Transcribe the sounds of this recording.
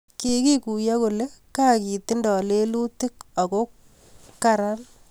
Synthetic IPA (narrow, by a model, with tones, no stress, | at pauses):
ki˦ki˦ku˨ja˦ko˨le˦ka˦ki˨ti˦ndɔ˨le˦lu˦ti˦k̚a˨ko˦ | ka˨ɾa˦n